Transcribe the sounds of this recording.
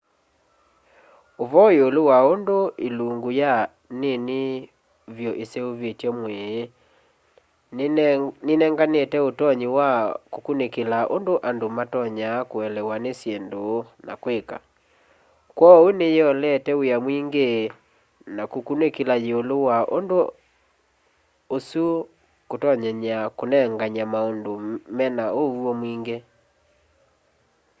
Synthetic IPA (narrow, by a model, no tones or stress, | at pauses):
oβɔeolowaondoeluŋɡoja | nene | vjɔʔeseoβetjɔmwɛ | nenɛŋɡanetɛotɔɲiwakokunekelaʔo̰ndoʔandomatɔɲakoɛlɛwanesjendona̰kweka̰ | kwɔwenejɔlɛtɛojamwiŋɡe | nakokunekelajeolowaʔondo | osu | kotɔɲɛɲakonɛŋɡaɲamaondomɛnaowwɔmwiŋɡe